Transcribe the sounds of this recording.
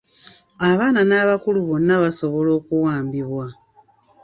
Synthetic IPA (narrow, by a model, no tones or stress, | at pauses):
aβaːnanaβakuluβo̞nːaβaso̞βo̞lo̞ːkuwaːmbiβwa